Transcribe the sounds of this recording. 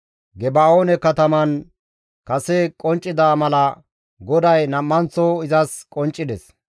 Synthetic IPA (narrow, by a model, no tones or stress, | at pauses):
ɡɛbaːoːnɛkɐt̪ɐmɐn | kɐsɛkʼɔnt͡ʃʼːɪd̪aːmɐlɐ | ɡɔd̪ɐjnɐmːɐnt͡sːoɪzɐskʼɔnt͡ʃʼːɪd̪ɛs